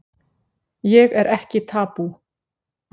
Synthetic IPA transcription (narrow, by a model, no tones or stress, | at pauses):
jɛɣɛɾʔɛhcɪt̪ʰaːpu